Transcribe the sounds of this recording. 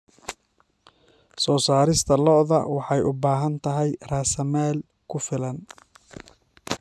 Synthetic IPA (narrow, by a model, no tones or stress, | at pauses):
sɔːsaːɾɪst̪ʰɐlɔðɐ̰wɑħɑjʔʊbaːɦɐnt̪ʰɐɦɛjraːsɐmaːl | kʰʊfɪlɐn